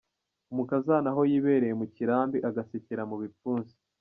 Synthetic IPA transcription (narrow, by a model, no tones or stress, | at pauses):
umukazanaɦo̞jiβe̞ɾe̞jemuciɾaːmbiʔaɡasiciɾamuβifuːnzi̥